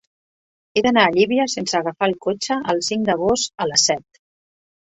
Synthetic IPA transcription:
eðənaːʎiβiəsensəːɣəfaəlˠkot͡ʃəʔəlˠsiŋd̪əɣ̞ost̪ələsɛt̪̚

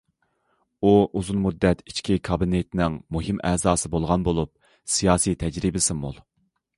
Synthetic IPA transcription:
uʔuzunmud̪ːɛt̪i̥t͡ʃkʲʰikʰɑbinɪt̪nɪŋmuɦimʔɛːzɑːsɨbolˠʁɑnbolˠup̚ | sijɑːsit̪ʰɛd͡ʒɾibɪsɪmṵlˠ

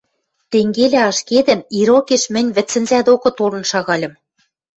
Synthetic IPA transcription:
t̪eŋɡelʲæɑʃked̪ɘ̆miɾokeʃmɘ̆nʲβɘ̆t͡sːɘ̆nzæd̪okɤ̆t̪olɤ̆nʃɑɣɑlʲɤ̆m

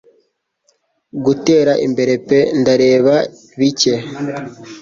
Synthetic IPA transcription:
ɡuteːɾaʔimbe̞ɾe̞pe̞ndaɾe̞ːβa | βice̞

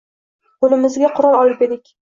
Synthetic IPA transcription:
qʰolɪmɪzɡʲaqʰʊɾɒlˠɒlˠɪpe̞d̪ɪkʲ

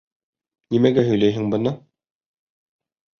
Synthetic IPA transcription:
nimæɡæɦɵ̆jlæjɦɘŋbɤ̆nɤ

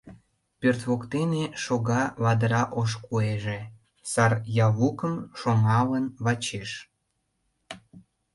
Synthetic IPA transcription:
pørt̪βokt̪eneʃoɣɑβɑd̪əɾɑʔoʃ̬kueʒe | sɑrjɑβukəmʃoŋɑlənβɑt͡ɕeʃ

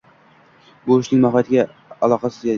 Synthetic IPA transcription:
bʊɪʃnɪŋmaɦɒt̪ʰɪɡʲa | alˠɒqɑsɪzja

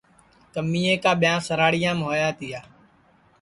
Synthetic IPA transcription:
kəmːiːẽːkaːɓɪjãːsəɾaːɽɪjãːmɦoːjaːt̪ɪjaː

